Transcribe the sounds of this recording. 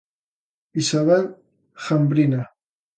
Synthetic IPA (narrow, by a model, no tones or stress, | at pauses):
isaβel | xambɾina